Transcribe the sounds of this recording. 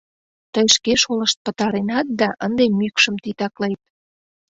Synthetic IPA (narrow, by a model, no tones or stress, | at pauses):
t̪əjʃkeʃoləʃt̪̚pə̆t̪ɑɾenɑt̪̚d̪ɑʔənd̪emykʃə̆mt̪it̪ɑklejt̪̚